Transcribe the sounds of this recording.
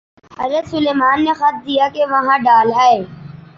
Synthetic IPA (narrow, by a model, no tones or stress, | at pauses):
ɐzət̪sʊleːmaːnːexɐt̪̚d̪ijakeʋɐɦãɖaːlɦae